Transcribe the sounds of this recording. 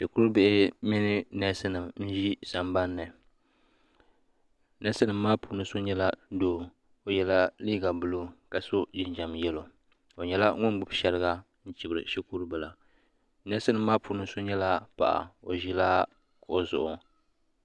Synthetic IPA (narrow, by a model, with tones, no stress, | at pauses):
ʃɪ˨ku˦ɾbɪ˦ʔɪ˦mi˦nɪ˦nɛ˦sɨ˦nɨ˨mn̩˦ʒi˦sa˨mba˦nːɨ˨ | nɛ˦sɨ˦nɨ˨mː˦aː˦puː˨nɨ˦so˦ɲɛ˦la˦doː˦ | o˨jɛ˨la˦liː˦ɡa˨bʊ˨lo˦ka˨so˦d͡ʒɪ˦n˦d͡ʒa˨mjɛ˦lo˨ | o˨ɲɛ˨la˦ŋʊ˦nɡ͡bʊ˦bʃɛ˦ɾɨ˦ɡa˦ | n̩˦t͡ʃɪ˨bɾɨ̰˨ʃi˦ku˦ɾbɨ˨la˨ | nɛ˦sɨ˦nɨ˨mː˦aː˦puː˨nɨ˦so˦ɲɛ˦la˦pa̰˨ʔa̰˨o˨ʒi˦la˦ | ko˨zʊ̰˨ʔʊ˨